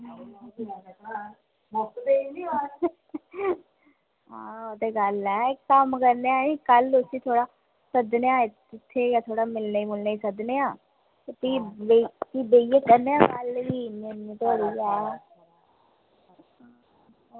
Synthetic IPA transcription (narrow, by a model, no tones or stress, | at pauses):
sd̪einĩːa | ɦãːot̪eːɡəlɛːəmkəɾneãikəlʊsiːt̪ʰoːɽaː | səd̪neaːɪ | ɪt̪ʰːejaːt̪ʰoːɽaːmɪlnaːibʊlnaːiːsəd̪neːãː | t̪iːbek̪iːbeːijekəɾneːãkəlʋiːninːĩːt̪oːɾiːɛː